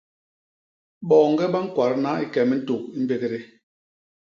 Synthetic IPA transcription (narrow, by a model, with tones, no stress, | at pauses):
ɓɔː˨ŋ̩˦ɡɛ˦ɓa˦ŋ̩˦kwa˨ɾna˦i˦kɛ˨mɛ˦n̩˦to˨k̚i˦m˦be˦ɣe˦˨ɾe˦